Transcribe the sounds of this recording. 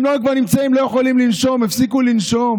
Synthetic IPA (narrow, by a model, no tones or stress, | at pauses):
mnloukvaʁnimt͡saimlojeχolimlinʃo̞mefsikulinʃo̞m